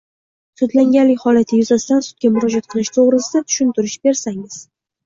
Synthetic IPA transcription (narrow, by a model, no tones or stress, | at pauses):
sʊd̪laŋɡʲanlɪkʲhɒlat̪ʰɪjʊzasɪt̪ansʊ̥t̪̚ɡʲamʊɾɒd͡ʒat̪̚qʰɨlˠɪʃt̪ʰoʁɾɪsɪd̪at̪ʰʊ̥ʃʊnt̪ʰʊɾɪʃbe̞ɾsaŋɪz̥